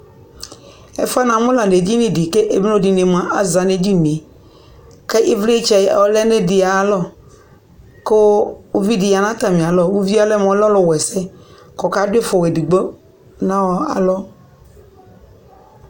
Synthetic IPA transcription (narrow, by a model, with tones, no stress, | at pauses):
ɛ̰˦fa˦nã˨mʊ̃˦la˨ne˨d͡ʒi˦nẽ˨di˨ke˦ʔe˨bõ˦di˨ne˨m˨ã˨ʔa˦za˨ne˨d͡ʒi˦n˨e˨ | kɛ˦ʔi˦vle˦t͡ʃɛ̰˨ɔ˦lɛ˦ne˦di˨a˨˦lɔ˦ | ko˦o˦vi˦di˨ja˨nã˦t̪a˨mĩ˨a˨lɔ˦wu˦vi˦a˦lɛ˦m˨ɔ̃˨˦lɔ˦lɔ˦wɛ˨sɛ˦ | kɔ˨ka˨˦de˦fɔ˨ɣe˨di˨ɡ͡bɔ˦ | nã˦wɔ˨a̰˨lɔ˦